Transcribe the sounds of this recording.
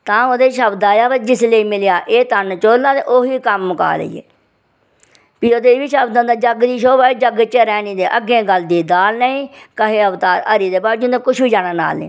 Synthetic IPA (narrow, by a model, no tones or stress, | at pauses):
t̪ãːoːd̪eːʃəbd̪aːjaːbəd͡ʒɪsleiːmɪljaːʔeːt̪ənt͡ʃoːlːãːd̪eːʔoːɦiːkəmːəka̰ːlḛḭːḛː | piːoːd̪eːʋiːʃəbd̪ãːd̪aːd͡ʒəɡd̪iːʃ̬oːbaːiːd͡ʒəɡt͡ʃəɾɛːnĩːd̪eːʔəɡẽːɡəld̪iːd̪aːlnəĩːkəɦeːəʋt̪aːɾəɾiːd̪eːbaːɾd͡ʒʊnd̪ẽːkʊʃbiːd͡ʒaːɽãːna̰ːlnḛː